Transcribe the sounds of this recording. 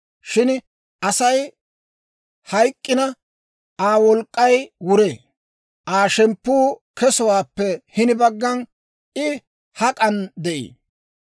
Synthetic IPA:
ʃɪn | ʔɐsɐj | hɐjkʼːɪnɐ | ʔaːwɔlkʼːɐjwʊɾeː | ʔaːʃɛmpːuːkɛsɔwaːpːɛhɪnɪbɐɡːɐn | ɪ | hɐkʼɐnd̪ɛʔḭː

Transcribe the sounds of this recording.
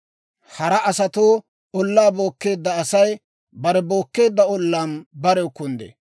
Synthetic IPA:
hɐɾɐʔɐsɐt̪oː | ɔlːaːbo̞ːkːe̞ːd̪ːɐːsɐj | bɐɾɛbo̞ːkːe̞ːd̪ːɐɔlːaːnbɐɾɛʊkːʊnd̪ḛ

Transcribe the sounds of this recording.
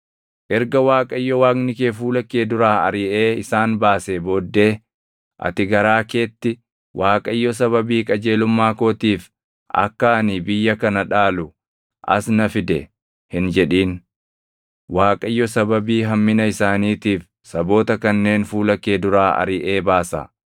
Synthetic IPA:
ʔɛɾɡɐwaːkʼɐɪjːɔwaːknɪke̞ːfuːlɐkːeːd̪ʊɾaːɐ̰ɾɪʔe̞ːɪsaːnbaːseːboːd̪ːe̞ː | ʔɐ̰t̪ɪɡɐɾaːkeːt̪ːɪ | wʔaːkʼɐɪjːɔs̬ɐβɐbiːkʼɐd͡ʒe̞ːlʊmːaːko̞ːt̪iːf | ʔɐ̰kːɐɐniːbɪjːɐkɐnɐᶑaːlʊ | ʔɐ̰snɐfɪd̪ɛ̰ | hɪnd͡ʒɛᶑiːn | waːkʼɐɪjːɔsɐbɐbiːɦɐmːɪnɐɪsaːniːt̪iːf | sɐbo̞ːt̪ɐkɐnːe̞ːnfuːlɐkːe̞ːd̪ʊɾaːɐ̰ɾɪʔe̞ːbaːsɐ̰

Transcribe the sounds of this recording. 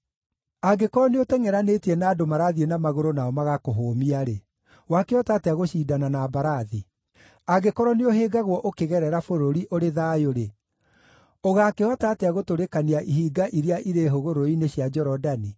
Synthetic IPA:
aɡekɔɾɔneotɛŋɛɾanetiɛnaːdomaɾaðienamaɣoɾonaɔmaɣakoɦoːmiaɾe | wakeɔtatɛaɣoʃiːdananaːbaɾaði | aɡekɔɾɔneoɦeːɡaɣwɔʔokeɣɛɾɛɾafoɾoɾiʔoɾeðaːjoɾe | oɣakeɔtatɛaɣotoɾekaniaʔiɦiːɡaʔiɾiaʔiɾeɦoɣoɾoineɕiad͡ʒɔɾɔdani

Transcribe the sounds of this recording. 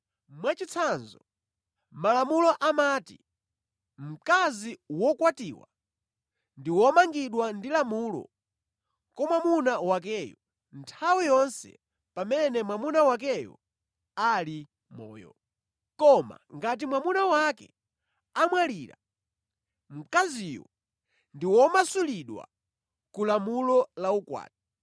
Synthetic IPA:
mwat͡ʃit͡sʰanzɔ | malamulɔʔamaːtḭ | m̩kaziwɔkwatiːwa̰ | ndiwɔmaŋɡiɗwandilamuːlɔ̰ | kɔmwamunawak̬ɛːjɔ | ntʰawijɔnsɛ̰ | pamɛnɛmwamunawak̬ɛjɔ̰ | ali | mɔ̰ːjɔ̰ | kɔma̰ŋɡat̬imwamunawakɛ̰ | amwaliːɾa̰ | m̩kazijɔ̰ | ndiwɔmasuliɗwa̰ | kulamulɔlaukwa̰ːti

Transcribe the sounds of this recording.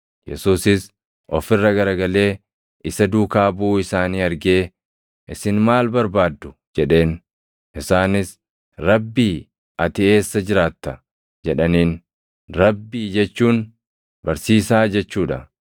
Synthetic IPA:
jɛ̰suːsɪs | ʔɔfɪrːɐɡɐɾɐɡɐle̞ː | ʔɪsɐd̪uːkaːbuːɪsaːniːɐɾɡe̞ː | ʔɪsɪnmaːlbɐɾbaːd̪ːʊd͡ʒɛᶑe̞ːn | ʔɪsaːnɪs | ɾɐbːiː | ʔɐt̪ɪe̞ːsːɐd͡ʒɪɾaːt̪ːɐ | d͡ʒɛᶑɐniːn | ɾɐbːiːd͡ʒɛt͡ʃːuːn | bɐɾsiːsaːd͡ʒɛt͡ʃːuːᶑɐ̰

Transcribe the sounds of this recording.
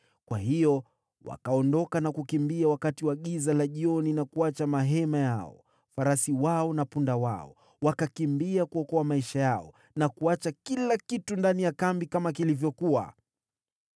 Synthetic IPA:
kwahijɔ | wa̰kaɔndɔkanakukimbiawakatiwaɠizalaʄiɔninakuat͡ʃamaɦɛmajaɔ̰ | faɾasiwaɔnapundawa̰ɔ̰ | wakakimbiakuɔkɔamaiʃajaɔ | nakuat͡ʃakilakitundanijakambikamakilivjɔkua̰

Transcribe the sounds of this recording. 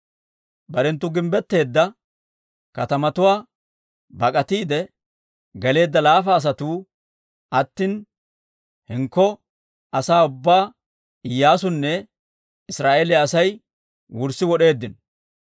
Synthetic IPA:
bɐɾɛnt̪ːʊɡɪmbɛt̪ːe̞ːd̪ːɐ | kɐt̪ɐmɐt̪ʊwaː | bɐkʼɐt̪iːd̪ɛ | ɡɛle̞ːd̪ːɐlaːfɐːs̬ɐt̪uː | ʔɐt̪ːiːn | hɪŋkːɔ | ʔɐsaːʊbːaː | ɪjːaːsʊnːɛ | ɪsɾaːʔeːlɪɐsɐj | wʊɾsɪwɔɗe̞ːd̪ːɪnɔ

